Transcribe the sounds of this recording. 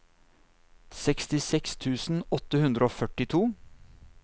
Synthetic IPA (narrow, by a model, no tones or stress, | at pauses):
sɛkst̪ɪsɛkst̪ʰʉːsn̩ɔt̪ːəhʉnd̪ɾəoːfœʈɪt̪ʰuː